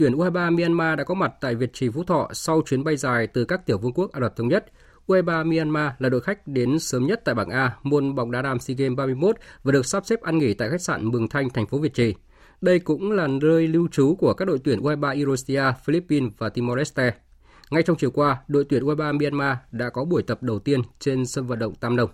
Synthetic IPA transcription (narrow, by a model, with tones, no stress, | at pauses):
t̪wi˧˩ənʔu˧haː˧jɓaː˧mi˧a˧nmaː˧ɗa̰ː˧˥kɔ˨˦ma˨˩t̚t̪a̰ː˧˨jvi˨˩ət̚t͡ɕi˨˩vṵ˧˥t̪ʰɔ̰˧˨sa˧wt͡ɕwi˨˦ənɓa˧jzaː˨˩jt̪ɨ˨˩kaː˦˥k̚t̪i˧˩əwvu˧nku˦˥ək̚ʔaː˧lwə˨˩t̪ʰə˧wŋ͡mɲə˦˥t̚ | ʔu˧haː˧jɓaː˧mi˧aː˧nmaː˧laː˨˩ɗo̰˧˨xa˦˥k̟̚ɗe˨˦nsəː˨˦mɲə˦˥t̚t̪a̰ː˧˨jɓaː˧˩ŋʔaː˧mo˧nɓa˨˩wŋ͡mɗaː˧˩ɗaː˧˩msi˧ɣe˧mɓaː˧mɨ˧əjmo˦˥t̚vaː˨˩ɨ˨˩ək̚saː˦˥p̚sɛ˦˥p̚ʔaː˧nŋi˧˩t̪a̰ː˧˨jxa˦˥k̚sa̰ː˧˨nmɨ˨˩əŋt̪ʰa˧jŋ̟t̪ʰɛ˨˩jŋ̟fo˨˦vi˨˩ət̚t͡ɕi˨˩ | ɗə˧jkʊ̰˧˥ŋ͡mlaː˨˩nəː˧jli˧wt͡ɕu˨˦ku˧˩əkaː˦˥k̚ɗo̰˧˨jt̪wi˧˩nʔu˧ʔa˧jɓaː˧ʔi˧ɾo˧si˧aː˧fi˧li˦˥pːi˧nvaː˨˩t̪i˧mɔ˧lɛ˦˥st̪ɛ˧ | ŋa˧jt͡ɕwŋ͡mt͡ɕi˨˩əwkwaː˧ɗo̰˧˨jt̪wi˧˩ənʔu˧a˧jɓaː˧mi˧aː˧nmaː˧ɗa̰ː˧˥kɔ˨˦ɓu˧˩əjt̪ə˨˩p̚ɗə˨˩wt̪i˧ənt͡ɕe˧nsə˧nvə̰˧˨nɗə̰˧˨wŋ͡mt̪aː˧mɗə˧wŋ͡m